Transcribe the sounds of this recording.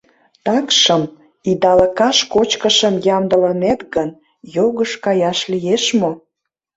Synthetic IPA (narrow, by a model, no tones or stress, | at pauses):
t̪ɑkʃəm | id̪ɑləkɑʃkot͡ɕkəʃəmjɑmd̪ə̆lənet̪ɣən | joɣəʃkɑjɑʃlijeʃmo